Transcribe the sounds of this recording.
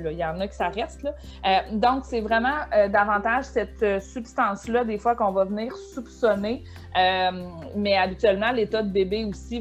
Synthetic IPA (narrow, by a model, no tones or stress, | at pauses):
lɔijɑ̃ːnʌkʲi̥saʁɛst̪lʌ | ød̪ɔ̃ksɛvʁɛmɑ̃ød̪avɑ̃t̪aʒsɛt̪øsypst̪ɑ̃ːslʌd̪efwakɔ̃vʌvniːʁsupsɔne | ømmɛabit̪yɥɛlmɑ̃let̪ʌd̪əbebeusi